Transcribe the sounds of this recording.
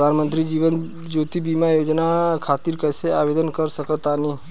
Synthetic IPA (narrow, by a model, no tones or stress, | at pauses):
pd̪ʱanmənt̪ɾid͡ʒiʋən | d͡ʒot̪ibimajod͡ʒnakʰat̪iɾkəjseabed̪ənkəɾsəkət̪ani